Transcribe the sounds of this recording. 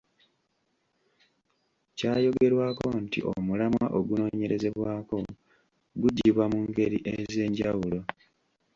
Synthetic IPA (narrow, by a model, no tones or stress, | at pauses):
caːjo̞ɡe̞ɾwaːko̞ntḭʔo̰mulamwa̰ʔoɡuno̞ːɲe̞ɾe̞ze̞βwaːko̞ | ɡuɟiβwamuŋɡe̞ɾiʔeze̞ːɲɟawulo̞